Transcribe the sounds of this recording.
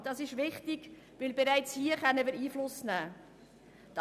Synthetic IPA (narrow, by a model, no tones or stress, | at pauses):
d̥ɑsɪʃʋɪχtɪɡ̥ | ʋɪlbeɾæɪt͡shiːəχœnːəmɪːɾiːflʊsnæː | t̪